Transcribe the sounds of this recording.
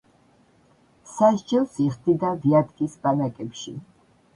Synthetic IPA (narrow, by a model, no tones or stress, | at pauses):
saʒd͡ʒɛlˠsiχd̪id̪aviad̪kʼisbanakʼɛpʃḭ